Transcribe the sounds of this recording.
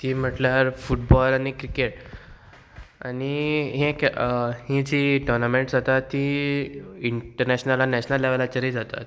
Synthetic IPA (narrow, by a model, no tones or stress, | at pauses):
t̪iːm̤əʈljaɾfuʈbɔlañikɾikeʈ | aniɦẽkhĩd͡ʑiːʈɔnameɳʈd͡zat̪at̪ːi | iɳʈəɾnɛɕnalanɛɕnəlːeʋəlat͡ɕəɾid͡zat̪a̰t̪̚